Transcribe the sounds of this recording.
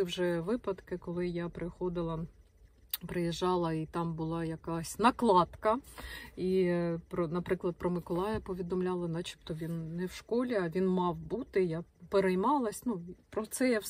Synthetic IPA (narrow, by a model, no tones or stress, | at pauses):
ɪwʒɛʋɪpɐd̪kɪkɔlˠɪjapɾɪxɔd̪ɪlˠɐ | pɾɪjɛʒːɑlˠɐit̪ɑmbʊlˠɑjɐkasʲnɐklˠɑt̪kɐ | ipɾɔnɐpɾɪklˠɐd̪̚pɾɔmɪkɔlˠɑjɐpɔʋʲid̪ɔmlʲɑlˠɐnɐt͡ʃi̥p̚t̪ɔʋʲinːɛwʃkɔlʲiɐʋʲinmɑwbut̪ɪjapeɾɛjmɑlˠɐsʲnupɾɔt̪sɛja